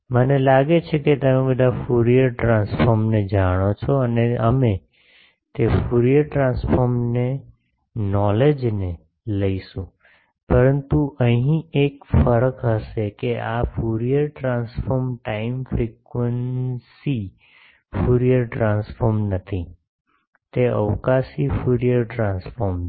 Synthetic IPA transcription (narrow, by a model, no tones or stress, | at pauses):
mənelaɡet͡ʃʰeket̪əmebəd̪ʱafuɾijəɾʈɾãnsfɔɾmned͡ʒaɽ̃ot͡ʃʰɔəneəme | t̪efuɾijəɾʈɾãnsfɔɾmne | nɔled͡ʒne | ləiʃũ | pəɾənt̪uʔəɦĩekfəɾəkɦəʃekeʔafuɾijəɾʈɾãnsfɔɾmʈaimfɾikʋənsi | fuɾijəɾʈɾãnsfɔɾmnət̪ʰi | t̪eə̰ʋkasifuɾijəɾʈɾãnsfɔɾm